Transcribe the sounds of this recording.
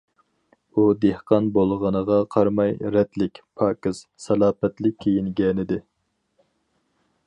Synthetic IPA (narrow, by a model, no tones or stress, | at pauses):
ud̪ehqɑnbolˠʁənəʁɑqʰɑɾmɑjɾɛt̪lɪkʲpʰɑːkɨz̥sɛlˠɑːpɛt̪lɪkʲʰːejiŋɡʲɛnɪd̪ɪ